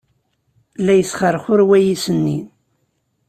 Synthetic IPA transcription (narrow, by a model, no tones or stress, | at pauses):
lːæjəsχərˤːəχʊɾwæjisənːḭn